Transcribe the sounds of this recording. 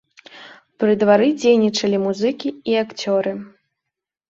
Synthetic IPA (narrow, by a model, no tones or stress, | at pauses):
pɾɨd̪vaɾɨd͡zʲejnʲit͡ʂɐlʲimuzɨkʲiiakt͡sʲɔɾɨ